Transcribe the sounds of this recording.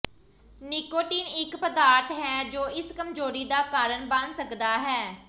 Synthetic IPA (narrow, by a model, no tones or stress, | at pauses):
niːkoːʈiːnɪkpəd̪aːɾt̪ɦɛːd͡ʒoːʔɪskəmd͡ʒoːɾiːd̪aːkaːɾəɳbənsəkd̪aːɦɛː